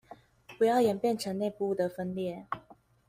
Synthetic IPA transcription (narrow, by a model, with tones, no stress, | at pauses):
pu˨˦jɑ˥˩ʊjɛ˨˩npjɛ˥˩nʈ͡ʂʰə˧˦ŋne˥˧pu˧˥˨d̪ə˨fə˦nljɛ˥˩